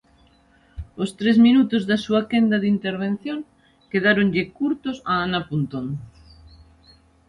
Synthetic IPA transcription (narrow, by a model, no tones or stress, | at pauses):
ost̪ɾezminut̪ʊzðasuakend̪ɐðint̪eɾβ̞en̟θjoŋ | keðaɾoŋʎɪkuɾt̪ʊsaanapunt̪on